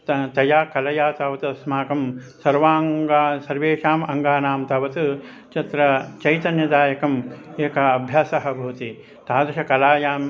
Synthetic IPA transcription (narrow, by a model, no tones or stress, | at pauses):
t̪t̪ɐjaːkɐlɐjaːt̪ɐʋɐt̪ɐɐsmaːkɐmsɐɾʋaːŋɡaːsɐɾʋeːʂaːmɐŋɡaːnaːmt̪ɐʋɐt̪ɨ | t͡ʃɐt̪ɾɐt͡ʃɐjt̪ɐnjɐd̪aːjɐkɐmeːkɐːbʱjaːsɐɦɐbʱuːt̪i | t̪aːd̪ɐʂɐkɐlaːjaːm